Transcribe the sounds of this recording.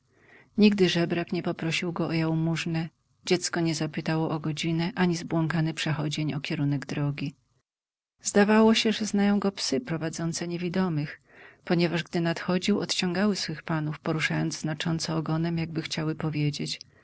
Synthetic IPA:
ɲiɡd̪ɘʐɛbɾakɲɛpɔpɾɔɕiwɡɔɔjawmuʐnɛ | d͡ʑɛt̪skɔɲɛzapɘt̪awɔʔɔɡɔd͡ʑinɛʔaɲizbwɔŋkanɘpʂɛxɔd͡ʑeɲɔkʲɛɾunɛɡd̪ɾɔɡʲi | zd̪avawɔɕɛʐɛznajɔ̃w̃ɡɔpsɘpɾɔvad̪zɔnt̪sɛɲevʲid̪ɔmɘx | pɔɲɛvaʐɡd̪ɘnat̪xɔd͡ʑiwɔt̪t͡ɕɔ̃ŋɡawɘsfɘxpanufpɔɾuʂajɔnd̪zznat͡ʂɔnt̪sɛɔɡɔnɛmjaɡ̚bɘxt͡ɕawɘpɔvʲjed͡ʑet͡ɕ

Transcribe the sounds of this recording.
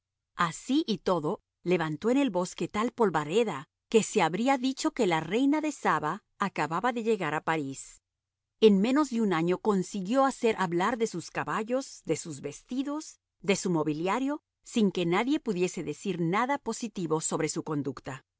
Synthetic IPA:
asiʔit̪o̞ðo̞ | le̞βant̪o̞ene̞lbo̞ske̞t̪alpo̞lβaɾe̞ða | ke̞se̞aβɾiaðit͡ʃo̞ke̞lare̞jnaðe̞saβaː | kaβaβaðe̞ʝe̞ɣaɾapaɾis | e̞nme̞no̞zðeunaɲo̞ko̞nsiɣjo̞ase̞ɾʔaβlaɾðe̞suskaβaʝo̞zðe̞suzβe̞st̪iðo̞s | d̪e̞sumo̞βiljaɾjo̞ | siŋke̞naðje̞puðje̞se̞ðe̞siɾnaðapo̞sit̪iβo̞so̞βɾe̞suko̞nd̪ukt̪a

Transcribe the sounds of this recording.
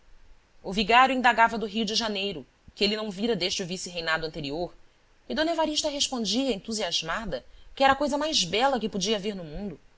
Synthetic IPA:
ʊviɡaɾjʊĩnd̪aɡavɐd̪ʊɦijʊd͡ʒɪʒanejɾʊ | kɪelɪnɐ̃w̃viɾɐd̪eʃt͡ʃɪuvisiɦejnad̪ʊɐ̃t̪eɾioɾ | ɪd̪õnevaɾiʃt̪ɐɦeʃpõd͡ʒiɐẽnt̪uziaʒmad̪ɐkɪɛɾɐakojzɐmajzbɛlɐkɪpod͡ʒiɐveɾnʊmũnd̪ʊ

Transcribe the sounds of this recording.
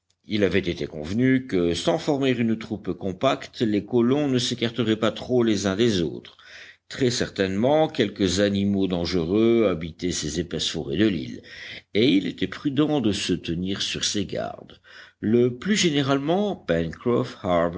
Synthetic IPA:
ilavɛt̪et̪ekɔ̰̃vnykəsɑ̃fɔʁmiʁynt̪χupkɔ̃pakt̪lekɔlɔ̃nəsekaʁt̪əʁɛpat̪χolezɛ̃d̪ezo̰ːt̪χ | t̪χɛsɛʁt̪ɛnmɑ̃kʲɛlkəzanimod̪ɑ̃ʒəʁøabit̪ɛsezepɛsfɔʁɛd̪əlḭleilḛt̪ɛpχyd̪ɑ̃d̪əsət̪əniːʁsyʁseɡa̰ʁd̪ləplyʒeneʁalmɑ̃pɛ̃nkʁɔfhab

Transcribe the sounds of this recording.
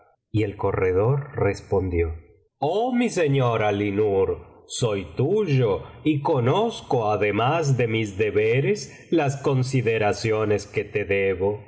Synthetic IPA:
ielko̞reðoɾrespond̪jo | omise̞ɲoɾalinuɾ | sojt̪uʒoiko̞noskoaðe̞mazðe̞mizðe̞βeɾes | lasko̞nsiðeɾasjo̞nesket̪eðeβo̞

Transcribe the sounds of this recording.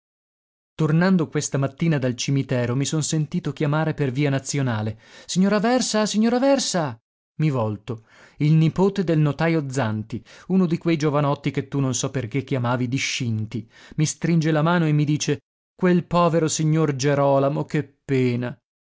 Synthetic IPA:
t̪ornand̪okwest̪amat̪ːiːnad̪alt͡ʃimit̪ɛːɾomisonsent̪iːt̪ok̟jamaːɾeperviːanat̪sːjonaːlesiɲːoːɾavɛrsasiɲːoːɾavɛrsa | mivɔlt̪o | ilnipoːt̪ed̪elnot̪ajod̪zːant̪iunod̪ikwejd͡ʒovanɔt̪ːiket̪ːunonsɔpːerkekːjamaːvid̪iʃːint̪i | mist̪ɾind͡ʒelamaːnoemːid̪iːt͡ʃe | kwelpɔːveɾosiɲːord͡ʒeɾɔːlamokepːeːna

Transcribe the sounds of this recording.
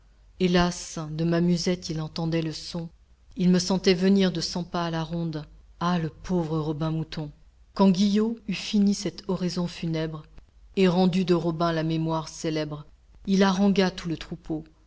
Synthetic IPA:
elasd̪əmamyzɛt̪ilɑ̃t̪ɑ̃d̪ɛləsɔ̃ | ilməsɑ̃t̪ɛvəniʁd̪əsɑ̃paːlaʁɔ̃d̪ | aləpovʁəʁɔbɛ̃mut̪ɔ̃ | kɑ̃ɡʲijoyfinisɛt̪ʰɔʁezɔ̃fynɛbʁ | eʁɑ̃d̪yd̪əʁɔbɛ̃lamemwaʁselɛbʁ | ilaʁɑ̃ɡat̪ulət̪χupʰo

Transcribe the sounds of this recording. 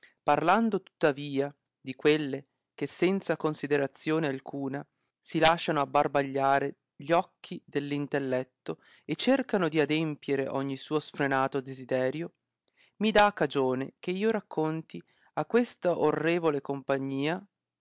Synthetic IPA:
parland̪ot̪u̥t̪ːaviːa | d̪ikwelːe | k̟esːɛnt̪sakonsid̪eɾat̪sːjoːnealkʰuːna | silaʃːanoabːarbaʎːaːɾe | ʎɔkʰːid̪elːint̪elːɛt̪ːo | et͡ʃːerkanod̪iad̪empjeɾeʔɔɲːisuːosfɾenaːt̪od̪ezid̪ɛːɾjo | mid̪aːkːad͡ʒoːnḛkeiːoɾakːont̪i | akːwest̪aʔorːeːvolekompaɲːiːa

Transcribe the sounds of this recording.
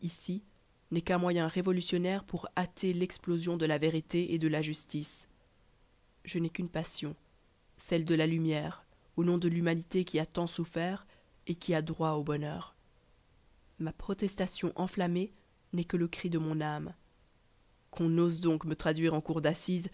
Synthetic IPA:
isi | nɛkɛ̃mwajɛ̃ʁevɔlysjɔnɛʁpuʁat̪ʰelɛksplozjɔ̃d̪əlaveʁit̪eʔed̪əlaʒyst̪is | ʒənɛkynpasjɔ̃ | sɛld̪əlalymjɛʁ | onɔ̃d̪əlymanit̪ekʲʰiat̪ɑ̃sufɛʁ | ekʲʰiad̪ʁwaobɔnœːʁ | mapχɔt̪ɛst̪asjɔ̃ʔɑ̃flame | nɛkələkχid̪əmɔ̃nam | kʰɔ̃nozd̪ɔ̃kmət̪χad̪ɥiʁɑ̃kuʁd̪asiz

